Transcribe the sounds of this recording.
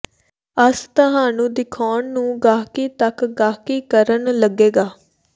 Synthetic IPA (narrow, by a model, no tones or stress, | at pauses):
əst̪əɦaːnũːd̪ɪkʰaːɳnũːɡaːkiːt̪əkɡaːkiːkəɾənləɡeːɡaː